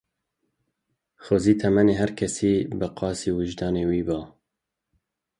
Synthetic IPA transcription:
xoziːt̪ʰɛmɛneːɦæɾkʰɛsiːbɨqɑːsiːwɨʒd̪ɑːneːwiːbɑː

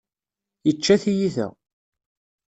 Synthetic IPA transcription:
jət͡ʃːæθijiθæ̰

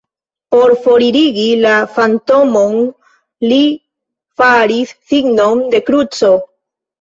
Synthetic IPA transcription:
po̞ɾfo̞ɾiɾiɡilafanto̞mo̞n | li | faɾisːiɡnonde̞kɾut͡so̞

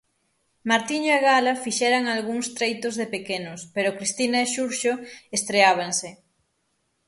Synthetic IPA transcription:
maɾt̪iɲaɣalafiʃɛɾaŋalɣuŋst̪ɾejt̪ozðepekenʊspeɾokɾist̪inaeʃuɾʃoest̪ɾeaβ̞aŋse

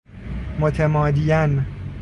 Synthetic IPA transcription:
mot̪ʰemɒːd̪ijæn

